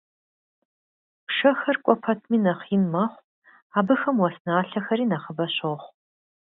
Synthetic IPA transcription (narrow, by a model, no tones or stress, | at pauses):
ʂɐxɐrkʷʼɔpʰɐtʰmiːnɐχiːnmɐχʷ | aːbɨxɐmwɔsnaːɬɐxɐɾiːnɐχəbɐɕoχʷ